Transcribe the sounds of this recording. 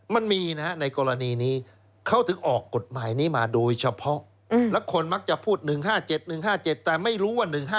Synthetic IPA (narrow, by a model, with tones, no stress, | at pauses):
ma˧nmiː˧na˦˥na˧jkɔː˧ɾa˧niː˧niː˦˥ | kʰa˦˥wt̪ʰɯ˨˩˦kʔɔː˨˩kːo˨˩t̪̚maː˩˦jniː˦˥maː˧doː˧jt͡ɕʰa˧pʰɔ˦˥ʔ | lɛ˦˥wkʰo˧nma˦˥k̚t͡ɕa˨˩pʰuː˥˩t̪̚nɯ˨˩ŋɦaː˥˩t͡ɕe˨˩t̪̚nɯ˨˩ŋɦaː˥˩t͡ɕe˨˩t̪ːɛː˨˩ma˥˩jɾuː˦˥wa˥˩nɯ˨˩ŋɦaː˥˩